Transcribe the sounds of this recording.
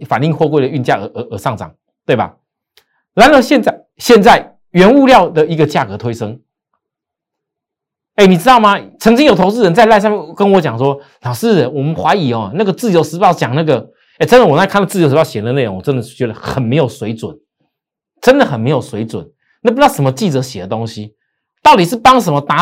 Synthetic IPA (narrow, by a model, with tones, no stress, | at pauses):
fa˨˩ni˥˧ŋxwɔ˥˧k̬we˥˩ɪlə˩y˥˧nt͡ɕja˥˩ə˨˧˦ə˨˩˦ʔə˨˩ʂɑ˥˩ŋt͡sɑ̰˨˩ŋ | t̪we˥ɪa̰˨˩ | la˧˥nlə˧˥ɕjɛ˥˧nt͡sa˥˩ɪ | ɕjɛ˥˧nt͡sa˥˩ɪ | ɥɛ˧˥nu˥˧ljɑ˥˧ʊd̪ə˩i˧˥ɡə˧t͡ɕja˥˨kɤ˧˥t̪ʰwe˥ɪʂɤ˥ŋ | e˥˩ɪni˨˩t͡sɻ̩˥t̪ɑ˥˩ʊma˨t͡sʰɤ˧˥ŋt͡ɕi˥ŋjo˨˩t̪ʰt͡s̬ɹ̩˥˩ɻə˧˥nt͡sa˥˧ɪla˥ɪs̬a˥˧˦jɛ˥˨nkə˦nwɔ˧˥t͡ɕjɑ˨˩ŋʂwɔ˦˥ | nɑ˨˩ʊʂɻ̩˥˩˧nwɔ˨˩mə˦nxwa˧˥ɪi˨˩ɔ˨na˥˩ɡə˩t͡sɹ̩˥˩jo˧˥ʊʂɻ̩˧˥pɑ˥˩ʊt͡ɕjɑ˨˩ŋna˥˩ɡə˩ | e˥˩ʈ͡ʂə˥nd̪ə˨wɔ˨˩na˥˧ɪkʰa˥˩nlt͡sɹ̩˥˩o˧˥ʂ̬̩˧˥pɑ˥˨˩ɕɛ˨˩˨d̪ə˧˦e˥˩ɪɻo˧˦ŋwɔ˨˩ʈ͡ʂə˦˥nd̪ə˨˥˩t͡ɕɥɛ˧˥d̪ə˧xə˨˩nme˧˥ɪjo˨˩ʊswe˧˥ɪt͡swə̰˨˩˦n | ʈ͡ʂə˦˥nd̪ə˨xə˨˩nme˧˥ɪjo˨˩ʊswe˧˥ɪt͡swʊ̰˨˩˦n | na˥˩pu˧˥˩ʊʂə˧˥nmə˧t͡ɕi˥˩t͡sɤ˧˥ɕjɛ˨˩d̪ə˦t̪o˥ŋɕi˦ | t̪ɑ˥˩ʊt̪i˨˩ʂɻ̩˥˩pɑ˥ŋʂə˧˥nmə˧t̪a˧˥